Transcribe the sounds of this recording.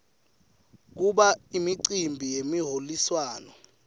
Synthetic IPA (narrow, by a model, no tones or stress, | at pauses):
k̬uɓaimiǀimbʱijemiɦoliswaːnɔ